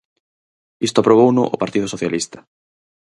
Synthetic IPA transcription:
ist̪ʊapɾoβ̞ownʊʔʊpaɾt̪ið̞ʊsoθjalist̪ɐ̥

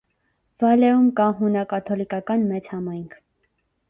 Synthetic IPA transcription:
vɑlɛumkɑɦunɑkɑt̪ʰɔlikɑkɑnmɛt͡shɑmɑjŋkʰ

